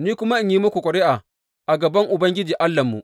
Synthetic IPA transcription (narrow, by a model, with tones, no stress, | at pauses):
niː˦kʷʊ˦ma˦ʔɪ˦ɲjiː˦mʊ˦kʷu˨kʷɔ˨ɽeː˦ʔa˨ | ʔa˨ɡɐ˨bɐ˦ŋʔʊ˨bɐ˦ŋɡʲɪ˦d͡ʒiː˨ʔa˦lːɐ˨mːṵ˨ʔ